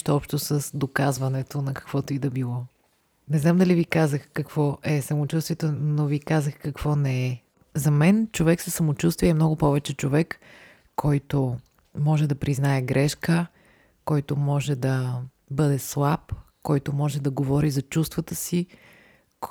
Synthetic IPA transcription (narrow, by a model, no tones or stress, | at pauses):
ʃt̪oɔpʃt̪osəsd̪okazvɐnɛt̪onɐkɐ̥kv̥ɔt̪oid̪ɐbilˠɔ | nɛznamd̪ɐlivikazəxkɐkv̥ɔʔɛsɐmot͡ʃust̪viɛt̪onovikazəxkɐkv̥ɔnɛɛ | zɐmɛnt͡ʃovɛksəsɐmot͡ʃust̪viɛmnɔɡʊpɔvɛt͡ʃɛt͡ʃovɛkː | ɔjt̪o | mɔʒɛd̪ɐpɾiznaɛɡɾɛʃkə | kɔjt̪ʊmɔʒɛd̪ɐ | bɤd̪ɛslˠapkɔjt̪omɔʒɛd̪ɐɡovɔɾizɐt͡ʃust̪vət̪əsi